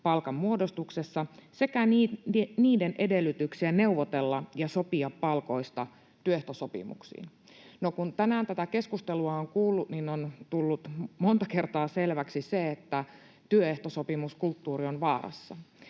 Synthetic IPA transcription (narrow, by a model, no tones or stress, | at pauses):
pɑlkɑmmuodo̞st̪ukse̞sːɑse̞kænːniːdenʔe̞de̞lːyt̪yksiæne̞uʋot̪e̞lːɑjɑso̞piɑpːɑlko̞ist̪ɑ | t̪yøeht̪osopḭmṵksḭːn | nokunt̪ænæːnt̪æt̪æke̞skust̪eluɑoŋkuːlːut̪ninont̪ulːut̪mo̞nt̪ɑke̞rt̪ɑːselʋæksiseet̪ːæ | t̪yøeht̪osopimuskult̪ːuːrionʋɑːrɑ̰sːɑ̰